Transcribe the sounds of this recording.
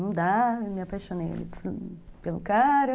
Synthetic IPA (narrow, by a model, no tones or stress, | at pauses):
ɐ̃d̪amɪapajʃonḛja̰lḭt̪pelʊkaɾʊ